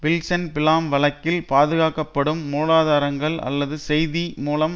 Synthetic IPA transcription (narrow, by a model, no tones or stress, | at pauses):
ʋɪlsɐnpɪlaːmʋɐɭɐkːɪlpaːðɯɣaːkːɐpːɐɽɯmːuːlaːðaːɾɐŋɡɐɭɐ̰lːɐðɯsɛjðimuːlɐm